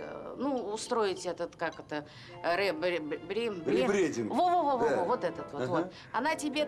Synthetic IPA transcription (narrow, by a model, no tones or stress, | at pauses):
nuʊst̪ɾo̞ɪtʲɛt̪ət̪kakɛt̪ə | ɾɛbɾʲbbɾʲembʲeɾʲedʲɪnvovovovoovo̞t̪ɛt̪ət̪vot̪vot̪ | ɐnatʲɪbʲe